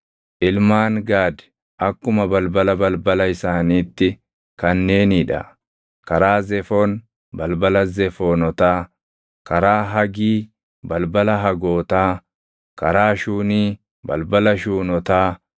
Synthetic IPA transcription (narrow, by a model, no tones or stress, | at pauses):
ʔɪlmaːŋɡaːd̪ɪ̥ | ʔɐkːʊmɐbɐlbɐlɐbɐlbɐlɐɪsaːniːt̪ːɪ | kɐnːe̞ːnɪᶑɐ̰ | kɐɾaːzɛfoːn | bɐlbɐlɐzɛfoːnɔt̪aː | kɐɾaːɦɐɡiː | bɐlbɐlɐɦɐɡoːt̪aː | kɐɾaːʃuːniː | bɐ̰lbɐlɐʃuːnɔt̪aː